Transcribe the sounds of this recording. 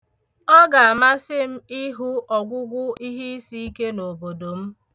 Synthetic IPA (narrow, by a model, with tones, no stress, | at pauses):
ɔ˦ɡa˨a˨ma˦sɪ˦m̩˦i˦ɦu˦ʔɔ˨ɡʷʊ˦ɡʷʊ˦i˦ɦi˦i˦si˦i˦ke˦no˨bo˨do˨m̩˦